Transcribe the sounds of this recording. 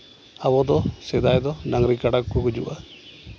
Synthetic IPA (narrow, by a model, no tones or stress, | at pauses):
abɔd̪ɔsɛd̪ajd̪ɔnaŋɾikaɽakkukud͡ʒṵʔa